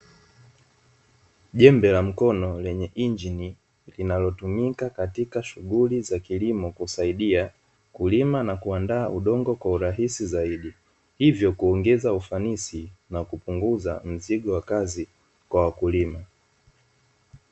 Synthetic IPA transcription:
ʄɛmbɛlam̩kɔnɔlɛɲɛʔind͡ʒini | linalɔtumikakatikaʃuɣulizakilimɔkusaiɗia | kulimanakuandaːʔuɗɔŋɡɔkwauɾaɦisizaiɗi | hivjɔkuɔŋɡɛzaufanisinakupuŋɡuza̰m̩ziɠɔwakazi | kwawakulima

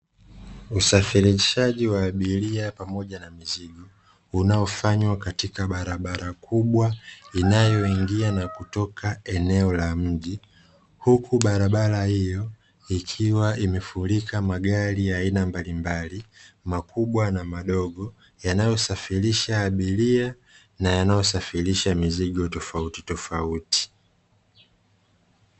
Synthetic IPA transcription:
usafiɾiʃaʄiwaːɓiliapamɔʄanamiziɡɔ | unaɔfaɲwakatikaɓaɾaɓaɾakʰuɓwainajɔiŋɡianakutɔkʰaɛnɛɔlam̩ʄi | hukʰuɓaɾaɓalahijɔ | ikʰiwaʔimɛfulikʰamaɡaɾiaːinambalimbalimakuɓwanamaɗɔɠɔ | janajɔsafiɾiʃaːɓilia | najanajɔsafiɾiʃamiziɠɔtɔfauti̥tɔfauti̥

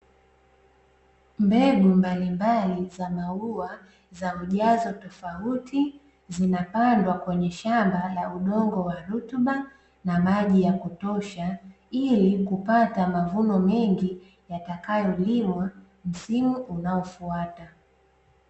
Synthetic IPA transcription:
mbɛɡumbalimbalizamaua | zauʄazɔtɔfautʰi | zinapandwakwɛɲɛʃambalauɗɔŋɡɔwaɾutuɓa | namaʄijakutɔʃa | ilikupatamavunɔmɛŋɡi | jatakajɔlimwa | m̩simuʔunaɔfuata

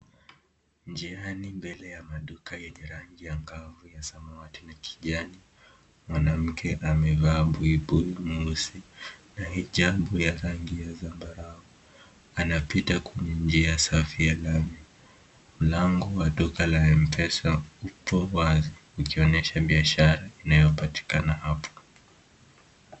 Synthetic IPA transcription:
nd͡ʒianimbɛlɛjamaɗukajɛɲɛɾaŋɡijaŋɡavujasamaatinakʰi̥ʄani | mwanam̩kʰɛʔamɛvaːɓuiɓuimusinahiʄaɓujaɾaŋɡijazambaɾaɔ | anapitakwɛɲɛɲd͡ʒiaasafijalamjɛ | m̩laŋɡɔwaɗɔkalaɛm̩pʰɛsaupɔwazi | ukiɔnɛʃaɓiaʃaɾainajɔpati̥kanahapʰɔ̥

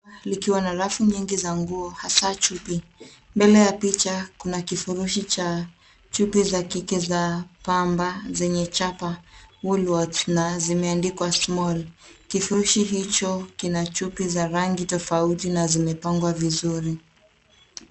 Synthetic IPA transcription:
likiwanaɾafuɲiŋɡizaŋɡuɔhasat͡ʃupi | mbɛlɛjapit͡ʃakunakifuɾuʃit͡ʃa | t͡ʃupizakikizapambazɛɲɛt͡ʃapawulwɔdsnazimɛandikwasmɔlkifuɾuʃiɦit͡ʃɔkinat͡ʃupizaɾaŋɡitɔfautinazimɛpaŋɡwavizuɾi

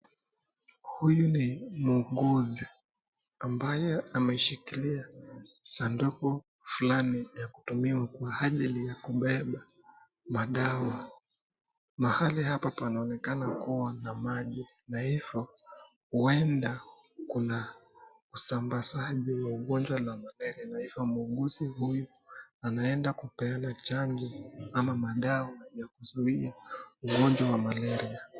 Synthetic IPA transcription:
hujunimuɔŋɠɔzi | ambajɛamɛiʃikiliasandukɔ | flanijaku̥tumiwakwaaʄilijakuɓɛɓa | maɗawa | mahalihapapanaɔnɛkanakuwanamaʄinahivɔ | huɛnda | kuna | usambasaʄiwauɠɔnd͡ʒwalamalɛɾianahivjɔmuuŋɡuzihujuanaɛndakupɛanat͡ʃaŋɡiamamaɗawajakuzuiauɠɔɲd͡ʒwawamalɛɾia

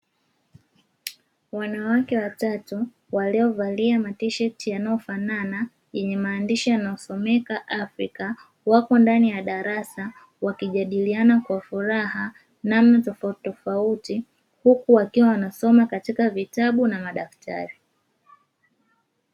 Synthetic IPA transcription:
wanawakɛwatatu | waliɔvaliamatiʃɛtijanaɔfanana | jɛɲɛmaːndiʃijanaɔsɔmɛkaʔafɾika | wakɔndanijaɗaɾasa | wakiʄaɗilianakwafuɾaha | namnatɔfutɔfauti | hukuwakiwawanasɔmakatikavitaɓunamaɗaftʰa̰ɾi

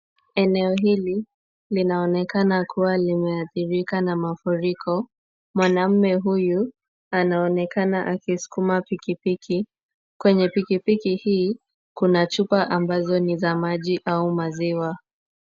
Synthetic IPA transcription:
ɛnɛɔɦili | linaɔnɛkanakʰuwalimɛaθiɾikanamafuɾikʰɔ | mwanam̩mɛɦuju | anaɔnɛkanaʔakisu̥kumapikipikʰi | kwɛɲɛpikipikihiː | kunat͡ʃupaʔambazɔnizamaʄiʔaumaziwa

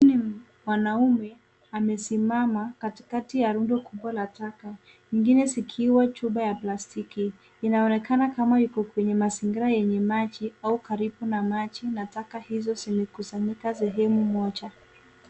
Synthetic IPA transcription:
ni | mwanaumɛ | amɛsimamakati̥katijaɾundɔkʰuɓwalataka | ɲiŋɡinɛzikʰiwat͡ʃuɓajaplastikiː | naɔnɛkanakamajukɔkwɛɲɛmasiŋɡiɾajɛɲɛmat͡ʃiaukaɾibunamat͡ʃinatakahizɔzimɛkusaɲikas̬ɛɦɛmumɔt͡ʃa

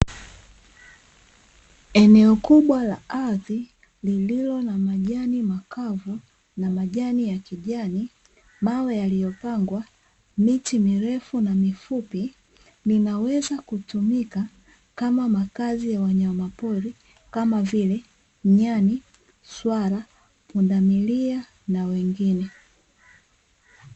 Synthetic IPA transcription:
ɛnɛɔkuɓwalaaði | lililɔnamaʄanimakʰavu | namaʄanijakiʄani | mawɛjalijɔpaŋɡwa | mitimiɾɛfunamifupi | ninawɛzakutumika | kamamakazijawaɲamapɔɾi | kamavilɛ | ɲani | swaɾa | pundamilia | nawɛŋɡinɛ

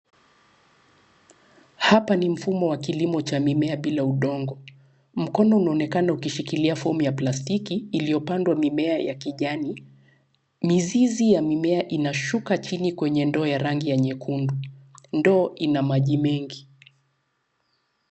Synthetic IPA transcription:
hapanim̩fumɔwakilimɔt͡ʃamimɛaɓilauɗɔŋɡɔ | m̩kɔnɔunaɔnɛkanaukiʃikiliafɔmujaplastikiːlijɔpandwamimɛajakiʄani | mizizijamimɛaʔinaʃukat͡ʃinikwɛɲɛndɔːjaɾaŋɡijaɲɛkʰundundɔːʔinamaʄimɛŋɡi

